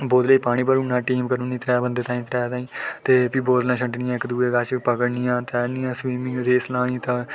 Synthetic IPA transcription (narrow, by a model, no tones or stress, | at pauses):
boːd̪ləiːpaːɽ̃iːpəɾũːnãːʈiːmkəɾuːniːt̪ɾɛːbənd̪eːt̪ãːĩːt̪ɾɛːt̪ãːĩːt̪eːpiːboːd̪nãːt͡ʃʰəɳʈnɪjãːɪkd̪uːeːkaːʃpəkəɽnɪjãːt̪ɛːnɪjãːswiːmɪ̃ŋɡɾeːslãːnĩːt̪ãː